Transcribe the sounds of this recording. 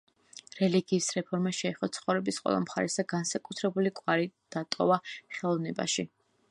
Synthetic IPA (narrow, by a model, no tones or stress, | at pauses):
ɾɛliɡiːsɾɛpʰɔɾmaʃɛɛχɔt̪sʰχɔvɾɛbisqʼwɛ̰lˠa̰mχaɾɛsaɡansakʼut̪ʰɾɛbulikʼwaɾid̪̥at̪ʼɔvaχɛlˠɔvnɛba̰ʃi